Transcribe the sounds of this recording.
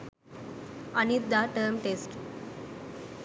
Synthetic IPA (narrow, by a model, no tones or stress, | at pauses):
ənit̪ːaʈəɾmʈesʈ